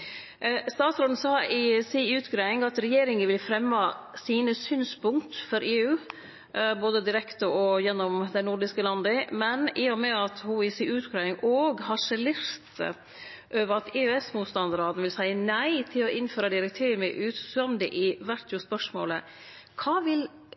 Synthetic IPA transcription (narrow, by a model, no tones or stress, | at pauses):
st̪ɑːt̪sɾoːd̪n̩sɑːɪsiʉːt̪ɡɾæːɪŋɑt̪ɾɛjeːɾɪŋənʋɪlfɾɛmːɑsiːnəsyːnspʊŋkt̪fɔɾʔeːʉː | boːd̪əd̪ɪɾɛkt̪əɔjɛnːɔmd̪ɛnʊɖɪskəlɑnd̪əmɛnɪːɔmɛɑt̪hʊɪsiʉːt̪ɡɾɑːɪŋʔoːɡhɑʂɛleːɾt̪ | ʔøːʋəɾɑt̪eːøɛsmuːt̪st̪ɑnd̪ɾɑːd̪nʋɪlsæɪənæɪt̪ʰɪlɔʔɪnføːɾɑd̪ɪɾɛk̚t̪ʰeːəməʔʉːt̪sɑnd̪ɪʔɪʋæɾʈ̪jʊspœʂmo̰ːlə̰ | kʰɑːʋɪl